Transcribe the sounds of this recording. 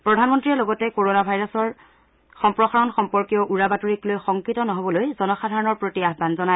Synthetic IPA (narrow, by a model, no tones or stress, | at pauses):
pɹɔdʱanmɔntɹiɛloɡɔtɛkoɹonabʱajɹɔsɔɹ | xɔmpɹɔxaɹɔnxɔmpɔɹkijɔʔuɹabatuɹiklojxɔŋkɹitɔnɔɦobɔlojzɔnɔxadʱaɹɔnɔɹpɹotiaɦbanzɔna